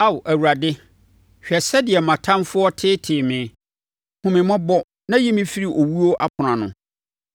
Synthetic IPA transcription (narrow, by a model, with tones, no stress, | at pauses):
a˦wʔæ˨wu˨ɾa˨dɪ˦ | ɕᶣɛ˨sɛ˦dɪ˨ɛ˨mã˨tʰã˦nfʊ˦ɔ˦tʰɪː˦tʰɪː˨mɪ̃˨ | hʊ̃˨mɪ̃˨mɔ̃˦bɔ˦ | nã˦ji˦mɪ̃˦fi˦ɾi˨ʔo˨wu˦o˦ʔa˦pʰʊ˨nã˨nʊ̰̃˨